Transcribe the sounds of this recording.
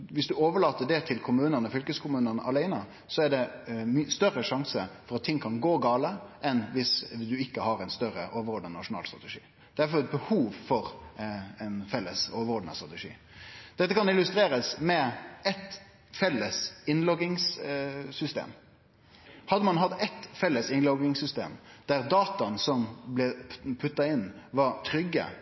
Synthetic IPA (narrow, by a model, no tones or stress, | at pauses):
ʋɪsd̪ʉoːʋəɭɑːt̪əɖɛt̪ʰɪlkʰʊmʉːnənəfʏlkəskʰʊmʉːnənəʔɑlæɪnə | sɔæɖɛmst̪œɾəʂɑŋsəfɔɾɑt̪ʰːɪŋːkʰɑnɡoːɡɑːləʔɛnʋɪsd̪ʉɪkːəhɑɾæɪnst̪œɾə̰ʔoːʋəɾɔːɖ̪nənɑʂʊnɑ̰ːlst̪ʁɑ̰t̪ɛʂḭː | d̪̥ɛæɾfɔɾɛt̪̚bəhuːʋfɔɾ | ɛɪnfɛlːəsoːʋəɾɔɖnəst̪ɾɑt̪ɛʂḭː | d̪̥ɛt̪ːəkʰɑnɪlʉst̪ɾeːɾəsmɛɛt̪ | fɛlːəsɪnlɔɡɪŋssʏst̪ḛːm | hɑd̪ːəmɑnɦɑt̪ːɛt̪fɛlːəsɪnlɔɡɪŋsʏst̪ḛːmd̪̥æɾd̪ɑːt̪ɑnsɔmblɛpʰʉt̪ːɑɪnːʋɑɾt̪ʰɾʏɡːə̰